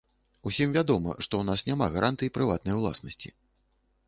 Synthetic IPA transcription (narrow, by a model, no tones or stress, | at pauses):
usʲimvʲad̪ɔmɐ̰ʂt̪ɔwnasnʲamaɣaɾʔant̪ɨjipɾɨvat̪nɐjwlˠa̰snɐsʲt͡sʲḭ